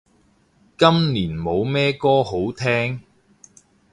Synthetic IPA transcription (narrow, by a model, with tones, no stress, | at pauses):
kɐ˥mniː˨˩nmo˨˧wmɛː˥kɔː˥ho˨˥wt̪ʰɛː˥ŋ